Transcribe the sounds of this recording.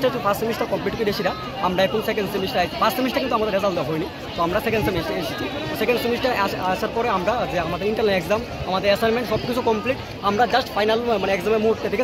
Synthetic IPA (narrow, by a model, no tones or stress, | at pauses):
ʈaet͡ɕʰupʰassemisʈakɔmpliʈkoid̪eʃiɾa | amɾaekonosekeɳɖsimisʈaipʰasʈsemisʈakint̪uamad̪eɾɛzald̪aɦojni | t̪ɔamɾasekẽɳɖsemisʈaeʃet͡ɕʰit̪ɔsekeɳɖsemisʈaaaʃaɾpɔɾeamɾad͡ʑeamad̪eɾiɳʈɐɾnelekzam | amad̪eɾesanmeɳʈʃɔb̚kit͡ɕʰukɔmpliʈ | amɾad͡ʑasʈfʰajnalmaneekzamemuɦuʈ̪et̪ʰːeke